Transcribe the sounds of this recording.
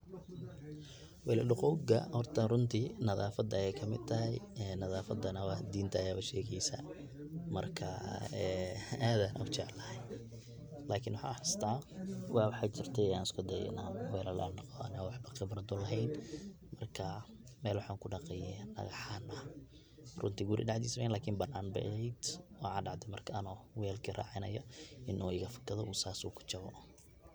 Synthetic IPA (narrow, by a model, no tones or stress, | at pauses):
wɛlɐɖʊqɔwɡɐ̰hɔrt̪ʰɐrʊnt̪ʰiːnɐðaːfɐd̪ɐɛjkʰɐmɪ̰d̪̚t̪ʰɐɦɛjɛnɐðaːfɐd̪ɐnɐwɑd̪iːnt̪ʰɐːjaːɐʃɛːɣɛjsɐ̰ | mɐ̰rkʰɐɛːaːðaːnʔɐ̰ʊt͡ʃɛʕlɐhɛj | laːkʰɪnwɑħa̰ːħɪst̪ʰaːwɑːwɑħaːt͡ʃɪrt̪ʰɛaːnɪskʰʊd̪ɛjɛ̰naːnwɛːlɐlʔa̰nɑqɔɐ̰nawɑħbɐχɪbrɐd̪ɔlɐɦɛjn | mɐrkʰɐ | mɛːlwɑħaːŋkʰʊɖɑqɛjɛnɐ̰ɣɐħaːnʔɐ | rʊnt̪ʰiɡʊɾɪ̰ɖɑʕd̪ḭːsmɛnlaːkʰimbɐnaːnbɛ̰ʔɐhɛjd̪̥wɔʕaːnɖɑʕd̪ɛmɐrkʰɐɐnɔːwɛːlkʰiːra̰ːʕɪnɐ̰jɐɪnʔɔːɪɣɐfɐ̥kʰɐðɔʔuːsaːsṵːkʰʊ̥t͡ʃɐβɔ̰